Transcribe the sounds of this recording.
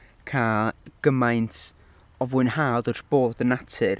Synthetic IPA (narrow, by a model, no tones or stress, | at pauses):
kʰaɡ̥əmajntʰ | ɔvwɨnhaðɔrb̥oːðənatʰɨr